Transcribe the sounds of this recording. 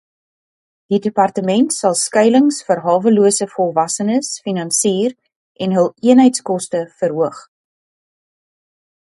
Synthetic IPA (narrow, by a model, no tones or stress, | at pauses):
d̥idəpɐrtəmɛntsɐlˠskœjləŋsfərɦɑːvəluəsəfɔlˠvɐsənəsfinɐnsiːr | ʔɛnɦəlˠiənɦəjtskɔstəfərɦuəχ